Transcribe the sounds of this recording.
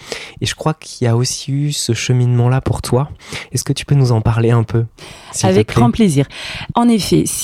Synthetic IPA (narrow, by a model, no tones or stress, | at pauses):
eʒəkχwakʰilaosi̥ysəʃəminmɑ̃lapuʁt̪waɛskət̪y̥pønuzɑ̃paʁleɛ̃pʰøsiavɛk̚ɡʁʁɑ̃pleziːʁɑ̃nefɛ̰s